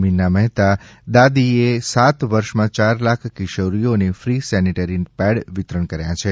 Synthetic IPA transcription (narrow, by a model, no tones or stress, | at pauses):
minːaməɦt̪ad̪ad̪iesat̪ʋəɾʃmãt͡ʃaɾlakʰkiʃəɾijonefɾisɛniʈəɾinpɛɽʋɪt̪ɾəɳkəɾjãt͡ʃʰe